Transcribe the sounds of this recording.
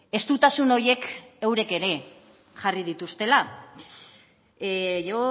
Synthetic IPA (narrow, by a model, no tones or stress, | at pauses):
e̞st̪ut̪asuno̞ɾje̞kewɾe̞ke̞ɾe̞ | ʝarið̞it̪ust̪e̞la | ʝo